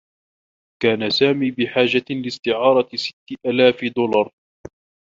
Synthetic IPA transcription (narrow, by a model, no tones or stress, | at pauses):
kaːnasaːmiːbɪħaːd͡ʒalɪst̪ɪʕɑːɾˤɑsɪ̥t̪ːɪʔalaːfd̪ʊlɑɾˤ